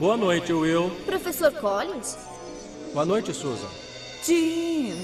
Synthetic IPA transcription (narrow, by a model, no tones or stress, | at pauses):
boɐnojt͡ʃɪuewpɾofesoɾkɔlĩs | boɐnojt͡ʃɪsozɐ̰̃ | t͡ʃi